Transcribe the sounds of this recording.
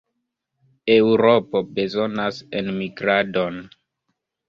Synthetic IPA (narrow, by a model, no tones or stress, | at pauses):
ewɾopobe̞zo̞nasenmiɡɾado̞n